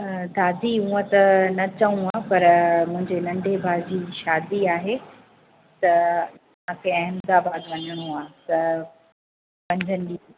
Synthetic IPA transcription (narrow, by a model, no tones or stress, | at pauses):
d̪ʱaːd̪iɦũːə̃t̪ɐnɐt͡ɕɐũaːpɐɾmʊ̃ɦɪ̃ɲd͡ʑenɐ̃ɳɖʱebʱaːd͡ʑiːʃaːd̪iaːɦe | t̪ɐ | ɐʋ̤ãkʰeɐɦɪmd̪aːbaːd̪ʋɐɲəɽ̃oaːt̪ɐ | pɐ̃ɲd͡ʑʱənɪ̆ɗi